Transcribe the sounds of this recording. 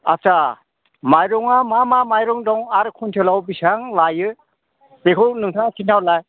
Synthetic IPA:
a̰sa | majɾɔŋamamamajɾɔŋdɔŋaɾkʰuntʰɯlawbisaŋlajɯ | pekʰɯwnɯŋtʰakʰintʰawlaj

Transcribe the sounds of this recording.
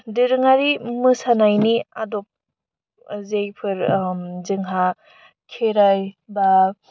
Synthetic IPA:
dɯɾɯŋaɾimɯsanajniadɔp̚ | zejpʰɯɾzɯŋɦa | kʰeɾajba

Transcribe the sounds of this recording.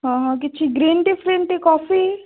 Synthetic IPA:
ɦãːɦãk̬ɪtːt͡ʃʰiɡɾiːnɖifɾeɳʈekɔːfi

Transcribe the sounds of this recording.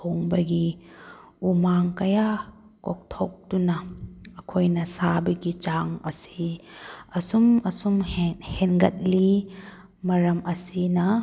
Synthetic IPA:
oŋbɐɡi | umaŋkɐja | kok̚tʰok̚dunɐːkʰojnɐsabɐɡit͡ʃaŋɐ̰si | ɐsumɐsumhenɡɐt̚li | mɐɾɐmʔɐsinɐ

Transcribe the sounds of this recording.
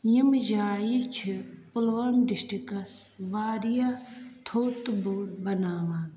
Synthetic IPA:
jimd͡ʒaːjit͡ʃʰipulʋɐmɖisʈikɐsʋaːɾijat̪ʰoːt̪buːɽbɐnaːʋaː

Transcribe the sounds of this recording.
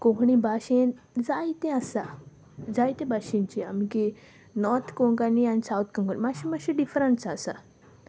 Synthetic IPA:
kõkɳibʱaɕen | d͡zajt̪ẽasa | d͡zajt̪ẽbʱaɕĩnt͡ɕiamiki | nɔɾt̪ʰkoŋkanianisawt̪ʰkə̃ŋkanimaɕimaɕiɖifɾənsasa̰

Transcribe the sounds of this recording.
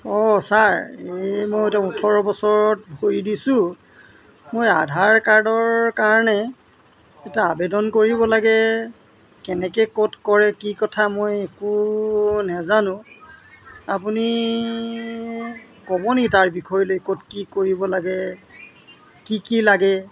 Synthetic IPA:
ɔsaɹemojotautʰɔɹɔbɔsɔɹɔt̚bʱoɹidisʊ̃ | moja̰dʱaɹkaɹdɔɹkaɹɔnɛ | ɛtaabedɔnkoɹibɔlaɡɛ | kɛnɛkɛkotkɔɹɛkikɔtʰamojeku | nazanʊ̃ | ap̬uni | kɔbɔnitaɹbikʰɔjlojkotkikoɹibɔlaɡɛ | kikilaɡɛ

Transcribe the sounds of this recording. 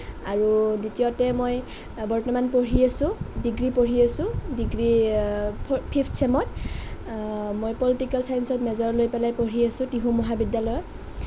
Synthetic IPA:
aɹuditijɔtɛmoj | bɔɹtɔmanpoɹiasʊ̃diɡɹipoɹiasʊ̃diɡɹi | pʰipʰtʰsɛmɔt | mojpɔlitikɛlsajnsɔtmɛzɔɹlojpɛlajpoɹiasʊ̃tiɦumɔɦabidjalɔjɔ

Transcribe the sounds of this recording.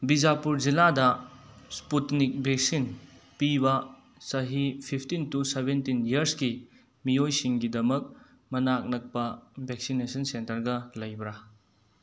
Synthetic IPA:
bid͡ʒapuɾd͡ʒiladɐsputnik̚bʱek̚sinpibɐ | sɐɦipʰipʰtintusebentinjiɐɾski | mijojsiŋɡidɐmɐk̚ | mɐnak̚nɐk̚pɐbʱek̚sinesɐnsentɐɾɡɐlɐjbɾa

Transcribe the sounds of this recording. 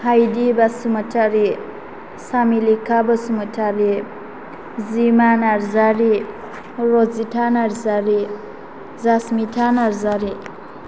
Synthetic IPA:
hajdibasumatʰaɾi | samilikʰabasumətʰaɾi | zimanaɾzaɾi | ɾɔzitʰanaɾzaɾi | zasmitʰanaɾzaɾi

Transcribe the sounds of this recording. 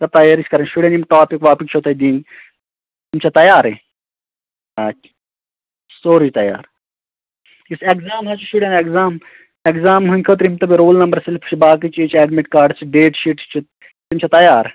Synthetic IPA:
t̪ɐt̪ɐjaːɾisʲkɐɾɐnʃuɽʲɐnimʈaːpikʋaːpikt͡ʃʰot̪ʰɐjd̪iːn | t̪imt͡ʃʰɐt̪ɐjaːɾe | aː | soːɾid͡ʒt̪ɐja̰ːɾ | isekzaːmɦɐt͡ʃʰuʃuɽenekzaːm | ekzaːmɦunʲkʰɐt̪ɾimt̪ɐbiɾoːlnɐmbɐɾsilpʰt͡ʃʰibaːk̬it͡ʃiːt͡ʃɛːɖmeʈkaːɾɖt͡ʃʰiɖeːʈʃiʈt͡ʃʰi | t̪imt͡ʃʰɐt̪ɐjaːɾ

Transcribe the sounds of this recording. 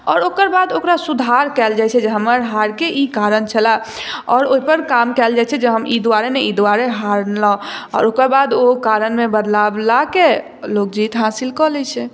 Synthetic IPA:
ɔːɾokəɾbad̪okɾasud̪ʱaɾkɛld͡ʒajt͡ʃʰɛd͡ʒeɦəməɾɦaɾkeʔikaɾənt͡ʃʰəla | ɔːɾoɦipəɾkamkɛld͡ʒajt͡ʃʰɛd͡ʒeɦəmid̪aɾeneid̪uaɾeɦaɾlaɔ̰ːɾokəɾbad̪okaɾənmebəd̪lablake | lok̚d͡ʒit̪ɦasilkɔlɛt͡ʃʰɛ

